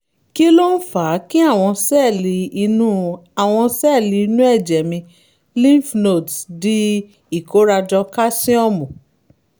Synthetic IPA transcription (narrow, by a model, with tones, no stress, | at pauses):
ki˦lo˦n̩˦fa˨˦ki˦a˦˨w̃ɔ̃˧sɛ˦˨li˧i˧nũ˦a˨w̃ɔ̃˧sɛ˦˨li˧i˧nũ˦ɛ˦˨d͡ʒɛ˨mĩ˧ | lĩ˦˨fno˦˨tsdi˦ | i˦˨ko˨˦ɾa˧d͡ʒɔ˧ka˦sĩ˦ɔ˦˨mũ˨